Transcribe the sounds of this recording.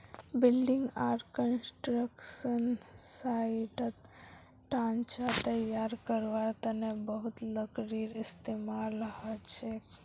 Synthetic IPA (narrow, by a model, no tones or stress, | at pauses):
bɪlɖɪŋɡaːɾkənsʈɾəkʃənsaiʈət̪ | ʈãːnt͡ʃat̪əjaːɾkəɾʋat̪ənebəɦʊt̪ləkɾiɾɪst̪emalɦət͡ʃʰe